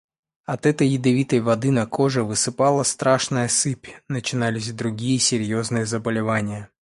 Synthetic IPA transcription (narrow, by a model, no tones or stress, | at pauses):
ɐt̪ɛt̪əjːɪd̪ɐvʲit̪əjvɐd̪ɨnɐkʰo̞ʐɨvɨsɨpalˠəst̪ɾaʂnəjəsɨpʲnət͡ɕɪnalʲɪsʲd̪ɾʊɡʲijəsʲɪɾʲjo̞znɨjəzəbəlʲɪvanʲɪjə